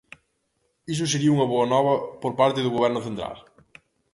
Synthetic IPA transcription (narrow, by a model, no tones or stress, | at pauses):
is̬ʊseɾiɐuŋɐβoɐnɔβɐpoɾpaɾt̪ɪðʊɣoβɛɾnʊθẽnt̪ɾa̰l